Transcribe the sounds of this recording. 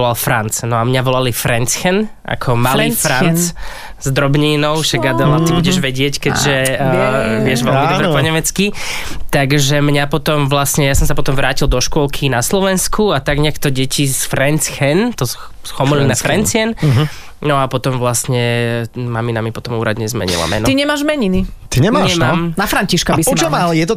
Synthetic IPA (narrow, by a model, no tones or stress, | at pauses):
ɔlalfɾant͡snɔamɲaʋɔlalifɾɛnt͡sxɛnʔa̰kʰɔmalifɾant͡s | zd̪ɾɔbɲiːnɔʊʃaɡad̪alat̪ibuɟɛʒʋɛɟɪɛckɛɟʒɛ | ʋɪɛʒʋɛlmid̪bɾɛpɔɲɛmɛt͡skit̪aɡʒɛmɲapɔt̪ɔmʋlasɲɛjasɔmsapɔt̪ɔmʋɾaːcild̪ɔʃkʊɔlkʰinaslɔʋɛnskuat̪aɡɲɛkt̪ɔɟɛcisfɾɛnt͡sxɛnt̪ɔ | sxɔmɔlinafɾɛnt͡sɪɛnɦ | nɔapɔt̪ɔmʋlast̪ɲɛmaminamipɔt̪ɔmuːɾad̪ɲɛzmɛ̰ɲḭla̰mɛ̰nɔt̪iɲɛmaːʒmɛɲinit̪iɲɛmːɛmamnafɾaɲciʃkabisɔt͡ʃɔmalɛjɛt̪ɔ